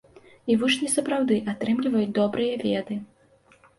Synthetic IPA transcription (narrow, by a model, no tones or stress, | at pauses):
ivut͡ʂnʲisɐpɾawd̪ɨʔat̪ɾɨmlʲivɐjut͡sʲd̪ɔbɾɨjɐvʲɛd̪ɨ